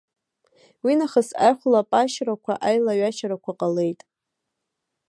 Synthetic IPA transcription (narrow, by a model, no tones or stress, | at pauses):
winaχəsa̰jχʷlapʼaʃɾakʷʰaʔajlaɥaʃaɾakʷʰaqʼale̞jtʼ